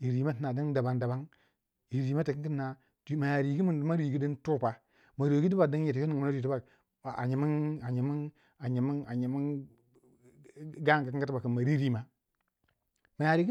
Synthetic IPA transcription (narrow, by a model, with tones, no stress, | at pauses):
i˨ɾi˨ma˦ti˦na˨di˦nda˨ba˨ŋnda˨ba˦ŋ | i˨ɾi˨ma˦ta˨ki˦ki˦nːa˨ | tma˨ja˨ɾi˨ɡi˦mi˨n˦ma˦ɾi˨ɡi˦də˦ntu˦˨pa˨ | ma˨ɾo˨ɡi˦di˦ba˨də˦n˦je˨tjo˦ni˨˦na˦˨i˦ba˨ | a̰˨ɲi˨mi˦na˨ɲi˨mi˦n | a˨ɲi˨m˦na˨ɲi˨mi˦n | ɡa˦ŋ˨ka˨ki˦ɡa˦ti˦ba˨ki˨ma˨ɾi˦ɾi˦ma˦ | ma˨ja˨ɾi˨ɡi˦